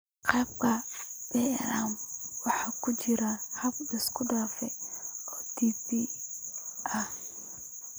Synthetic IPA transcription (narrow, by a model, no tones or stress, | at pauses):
qɑːbkʰɐb̥ɛlaːmwɑħɑːkʰʊt͡ʃɪɾɐhɐb̚ɪskʰʊɖaːfɛɔːt̪iːsi | ʔɐh